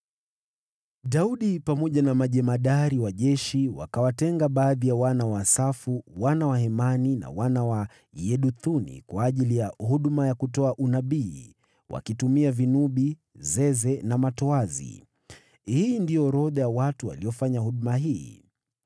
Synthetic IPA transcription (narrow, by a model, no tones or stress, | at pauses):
ɗauɗipamɔʄanamaʄɛmaɗaɾiwaʄɛʃiwa̰kawatɛŋɡaɓaːðijawanawasafuwanawahɛmanina̰wanawa | jɛɗuθunḭkwaːʄilijahuɗumajakutɔaʔunaɓiː | wʔa̰kitumiavinuɓi | zɛzɛnamatɔazḭ | hiːndijɔɾɔðajawatuwa̰liɔfaɲahuɗmaɦiː